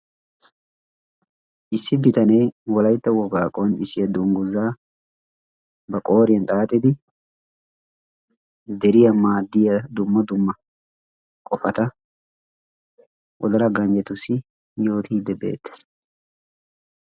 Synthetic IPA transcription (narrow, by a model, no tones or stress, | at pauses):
ʔɪsːɪbɪt̪ɐnɛjwɔlɐjt̪ːɐwɔɡaːkʼonɪsɪjɐd̪ʊŋɡʊzaː | bɐkʼo̞ːɾɪjɐnt̪ʼaːt̪ʼːɪd̪ɪ | d̪ɛɾɪjɐmaːd̪ːɪjɐd̪ʊmːɐd̪ʊmːɐ | kʼɔfɐt̪ɐ | ʔɔ̰d̪ɐlɐɡɐɲd͡ʒɛt̪ʊsɪ | jo̞ːt̪ʰiːd̪ːɛbḛːt̪ːɛ̥s